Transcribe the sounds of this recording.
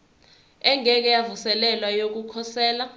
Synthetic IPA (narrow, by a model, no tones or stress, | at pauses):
ɛŋɛk̬ɛjavusɛlɛlwajok̬ukʰɔsɛːla